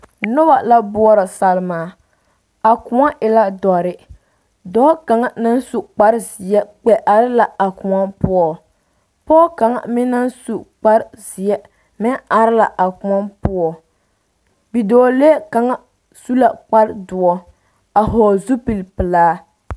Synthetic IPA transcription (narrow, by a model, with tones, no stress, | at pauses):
nʊ˦ba˨la˦bʊ˦ɔ˦ɾa˨sa˨lɪ˦maː˨ | a˨kʊ˨ŋa˦ʔɪ˨la˦dɔ˨ɾɪ˦ | dɔː˦ka˨ŋa˦na˦n˦su˨k͡pa˦ɾzɪ˨ɛ˦k͡pɛ˨ʔa˨ɾɪ˦la˨a˨kʊ˨ŋa˦npʊ˦ɔ˨ | pɔ˦ka˨ŋa̰˨mɪ˦na˦nsu˨k͡pa˦ɾz̥ɪ˨ɛ˦ | mɪ˦a˨ɾɪ˦la˨ʔa˨kʊ˨ŋa˦npʊ˦ɔ˦ | bi˨dɔː˨˦le˦ka˨ŋa˦ | su˦la˨k͡pa˦ɾdʊ˨ɔ˦ | a˨ɦɔː˨zu˦pi˨lpɨ˨laː˦